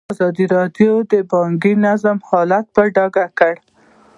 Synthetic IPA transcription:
azɑd̪iɾɑd̪jod̪əbɑŋɡinazamhɑlat̪̚bəɖɑɡakəɽ

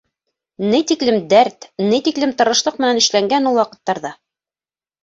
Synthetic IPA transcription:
nɘjt̪iklɘmd̪æɾt̪nɘjt̪iklɘmt̪ɤ̆ɾɤ̆ʃlˠɤq̚mɘ̆nænɘ̆ʃlæŋɡænulˠwɑqɤ̆t̪ːɑɾðɑ

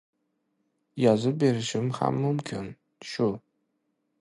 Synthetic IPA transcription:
jɑzɨbeɾɪʃɪmxa̰mːumkʲʰɪn | ʃʊ

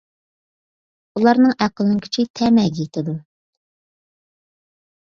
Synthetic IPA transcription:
ulˠɑɾnɨŋʔæqəlˠɪnkʲʰi̥t͡ʃʰit̪ʰɛmɛɡʲit̪ʰɪd̪u

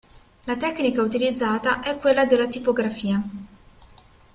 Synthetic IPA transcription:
lat̪ɛkːnikaut̪ilid̪zːaːt̪aʔɛkːwelːad̪elːat̪ipoɡɾafiːa

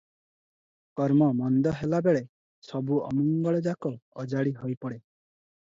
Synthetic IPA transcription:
kɔɾmɔmɔnd̪ɔɦelabeɭe | sɔbuɔ̰mɔŋɡɔɭed͡ʒakɔːd͡ʒaɽiɦojpɔɽe

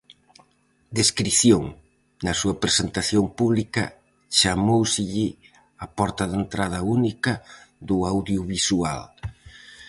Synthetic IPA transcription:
d̪eskɾiθjoŋ | nɐsuɐpɾesent̪aθjompuβlikɐ̰ | t͡ʃamowsɪʎɪ | ɐpɔɾt̪ɐðent̪ɾað̞ɐunikɐd̪ʊawðjuβisua̰l

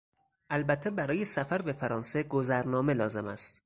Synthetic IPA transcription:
ʔælbæt̪ʰːebæɾɒːjesæfæɾbe̞fæɾɒːnse̞ɡozæɾnɒːme̞lɒːze̞mæst̪

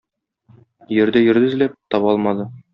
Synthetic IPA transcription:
jɵ̆ɾd̪æjɵ̆ɾd̪ɘ̆zlæp̚t̪ɒβɒlˠmɑd̪ɤ

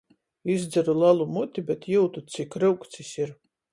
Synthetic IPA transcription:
izd̪zɛɾulˠalˠumut̪ʲibɛt̪juwt̪ut̪sikɾɨwkt̪sisiɾ

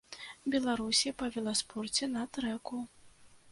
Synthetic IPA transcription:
bʲɛlˠaɾusʲipɐvʲɛlˠaspɔrt͡sʲɛnɐt̪ɾɛku

